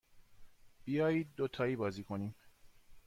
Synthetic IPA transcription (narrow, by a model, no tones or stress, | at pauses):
b̥ijɒːjiːd̪̚ːot̪ʰɒːiːbɒːziːkʰoniːm